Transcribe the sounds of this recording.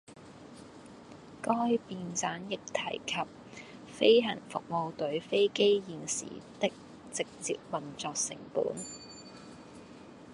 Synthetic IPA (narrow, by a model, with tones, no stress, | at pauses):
kɔː˥jpiː˧nt͡saː˨˥njɪ˨k̚t̪ʰɐ̰˨˩jkʰɐ˨p̚ | fe˥jɦɐ˨˩nfʊ˨k̚mo˨˧wt̪ɵ˨˥ɥfe˥jke˥jjiː˨nsḭː˨˩t̪ɪ˥k̚ | t͡sɪ˨k̚t͡sḭː˨k̚mɐ˨˩ŋt͡sɔː˨k̚sɪ̰˨˩ŋpṵː˨˥n